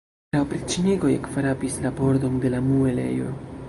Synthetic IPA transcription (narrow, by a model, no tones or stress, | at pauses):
lawpɾit͡ʃiniɡo̞jḛkfaɾapislabo̞ɾdo̞nde̞lamue̞le̞̰jo̞̰